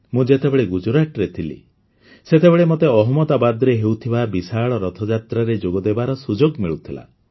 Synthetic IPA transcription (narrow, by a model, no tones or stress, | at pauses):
mũd͡ʒet̪ebeɭeɡud͡ʒuɾaʈɾet̪ʰilḭ | set̪ebeɭemot̪eɔɦɔmɔd̪abad̪ɔɾeɦewt̪ʰibabisaɭɔɾɔt̪ʰɔd͡ʒat̪ɾaɾed͡ʒoɡɔd̪ebaɾɔsud͡ʒoɡmiɭut̪ʰila̰